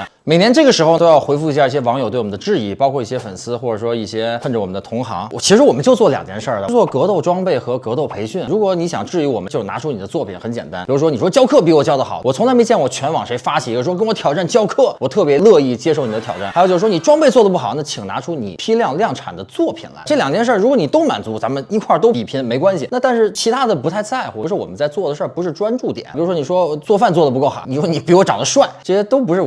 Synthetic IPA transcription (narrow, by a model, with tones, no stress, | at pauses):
me˨˩ɪnjɛ˧˥nʈ͡ʂɤ˥˩ɡə˩ʂɻ̩˧˥xo˧ʊt̪o˥ʊjɑ˥˧ʊxwe˧˥ɪfu˧i˧˥ɕja˥˧i˥˩ɕjɛ˥wɑ˧˥ŋjo˨˩t̪we˥˩ɔ˨˩n˥d̪ʈ͡ʂɻ̩˥˧i˥˩pɑ˥ʊkʰwɔ˥˧i˥˩ɕjɛ˥fə̰˨˩nsɹ̩˥xwɔ˥˩ʈ͡ʂɤ˨˩ʂwɔ˥i˥˩ɕjɛ˥ə˥˧nʈ͡ʂə˩wɔ˨˩mə˦nd̪ə˧t̪ʰʊ˧˥ŋxɑ̰˧˥ŋ˧˩t͡ɕʰi˧˥ʂɻ̩˧˥wɔ˨˩mə˦nt͡ɕjo˧ʊt͡swɔ˥˩ljɑ̰˨˩ŋt̪jɛ˧˥nʂə˞˥˩t͡swɔ˥˩kɤ˧˥t̪o˥˩ʊʈ͡ʂwɑ˥ŋpe˥˩ɪxɤ˧˥kɤ˧˥t̪o˥˩ʊpʰe˧˥ɪɕy˥˩nɻu˧˥kwɔ˧˥ni˧˥ɕjɑ̰˨˩ŋʈ͡ʂɻ̩˥˩y˧˥wɔ˨˩ə˦t͡ɕjna̰˧˥ʈ͡ʂʰu˥ni˨˩d̪ə˦t͡swɔ˥˩pʰi˨˩˦nxə˧˥t͡ɕjɛ̰˨˩nt̪a˥ni˩u˧˥ʂwni˨˩ʂwɔ˥t͡ɕjɑ˥ʊkʰɤ˥˩p̬i˧˥wɔ˨˩t͡ɕjɑ˥ʊd̪ə˩xɑ˨˩˦wɔ˨˩t͡sʰʊ˧˥la˧˥me˧˥ɪt͡ɕjɛ˥˩nwɔ˨˩t͡ɕʰɥɛ˧˥nwɑ˨˩ŋʂe˧˥ɪfa˥t͡ɕʰi˨˩˧ə˧˩˧wɔ˥kə˥nwɔ˧˥t̪ʰjɑ˨˩ʊʈ͡ʂa˥˩nt͡ɕjɑ˥ʊkʰɤ˥˩wɔ˨˩t̪ʰɤ˥˩pjɛ˧˥lɤ˥˧i˥˩t͡ɕjɛ˥ʂ̬o˥˩ʊni˨˩ə˦t̪ʰjɑ˨˩ʊʈ͡ʂa˥˩a˧˥jo˨˩t͡ɕo˥˧˩ʂ̩˧˩wɔ˥n˨˩ʈ͡ʂwɑ˥ŋpe˥˧ɪt͡swɔ˥˩d̪əpu˥˩xɑ˨˩ʊna˥˩t͡ɕʰi˨˩ŋna̰˧˥ʈ͡ʂʰu˥nḭ˨˩pʰi˥ljɑ˥˧ŋljɑ˥˩ŋʈ͡ʂʰa̰˨˩d̪ə˦t͡swɔ˥˩pʰḭ˨˩nla̰˧˥ɪʈ͡ʂɤ˥˩ljɑ˨˩ŋt͡ɕjɛ˥˧nʂ̬ə˥˩ɻu˧˥kwɔ˧˥ni˨˩t̪o˥ʊma˨˩nt͡su˧˥t͡sa˧˥mə˧ni˧˥kʰwa˥˩t̪o˥ʊpi˨˩pʰi˧˥nme˧˥ɪkwa˥nɕi˨na˥˧t̪a˥˧nʂɻ̩˥˩t͡ɕʰi˧˥t̪ʰa˥d̪ə˨pu˧˥t̪ʰa˥˧ɪt͡sa˥˩ɪwɔ˧˥ʂɻ̩˧˥wɔ̰˨˩mə˦nt͡sa˥˧ɪt͡swɔ˥˩d̪ə˩ʂə˞˥˩pu˧˥ʂɻ̩˥˧ʈ͡ʂwa˥nʈ͡ʂu˥˩t̪jɛ̰˨˩˦i˩˧˥ʂwɔ˥n˨˩ʂwɔ˥t͡swɔ˥˧fa˥˧nt͡swɔ˥˩d̪ə˩p̬u˧˥ko˥˩ʊxɑ̰˨˩˦ni˨˩˥wɔ˥ni˧˩pi˧˥wɔ˧˥ʈ͡ʂɑ˨˩ŋd̪ə˧˦ʂwa˥˩ɪʈ͡ʂɤ˥˧ɕɛ˥t̪o˥ʊp̬u˧˥ʂɻ̩˥˩